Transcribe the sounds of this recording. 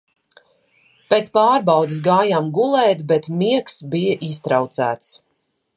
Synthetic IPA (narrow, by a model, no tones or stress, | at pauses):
peːt̪spaːɾbawd̪is̬ɡaːjaːmɡulˠɛːt̪bɛt̪miɛksbijaʔist̪ɾawt̪sæ̰ːt̪s